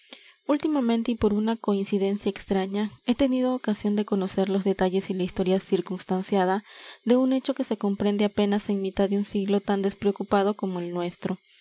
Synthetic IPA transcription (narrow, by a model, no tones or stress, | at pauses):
ult̪imamẽ̞nt̪e̞ipo̞ɾunako̞insiðe̞nsjaekst̪ɾaɲae̞t̪e̞nið̞oːkasjo̞nd̪e̞ko̞no̞se̞ɾlo̞zðe̞t̪aʝe̞silaist̪o̞ɾjasiɾkunst̪ansjaðaðe̞une̞t͡ʃo̞ke̞se̞ko̞mpɾe̞nd̪e̞ape̞nase̞ŋmit̪aðːeunsiɣlo̞t̪and̪e̞spɾeo̞kupað̞o̞komo̞elnwe̞st̪ɾo̞